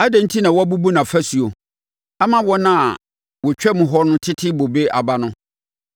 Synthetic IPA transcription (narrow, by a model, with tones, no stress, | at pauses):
a˦dɛ̃˨n̩˦tʰi˦nã˨wɔ˦a˦bu˦bu˦nã˨fæ˦su˨o˨ | a˦mã˦wɔ˦nã˨ | wɔ˨t͡ɕᶣɛ˦mʊ̃˨ɦɔ˦nʊ̃˦tʰɪ˦tʰɪ˦bo˨be˦ʔa˨ba˦nʊ̃˦